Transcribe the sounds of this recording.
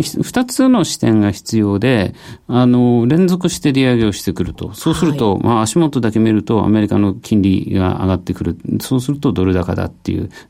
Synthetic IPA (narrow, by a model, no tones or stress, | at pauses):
ç̥ɸɯ̟̥t̪at͡sɨno̞ɕi̥t̪ẽ̞ŋɡaçi̥t͡sɨjo̞ːd̪e̞ano̞ɾẽ̞nd͡zo̞kɯ̟ɕi̥t̪e̞ɾʲiaɡe̞o̞ɕi̥t̪e̞kɯ̟ɾɯ̟t̪o̞so̞ːsɨɾɯ̟t̪o̞mʔaːɕimot̪ːod̪ake̞mʲiɾɯ̟t̪o̞a̰me̞ɾʲikano̞kʲʰĩnɾʲiɡa̰ʔa̰ɡat̪ːe̞kɯ̟ɾɯ̟so̞ːsɨɾɯ̟t̪o̞d̪o̞ɾɯ̟d̪aka̰d̪a̰t̪ːe̞̰jɯ̰